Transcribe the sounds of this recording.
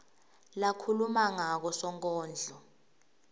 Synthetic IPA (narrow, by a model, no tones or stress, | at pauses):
lakʰulumaŋak̬ɔsɔŋkʼɔːnd͡ɮʱɔ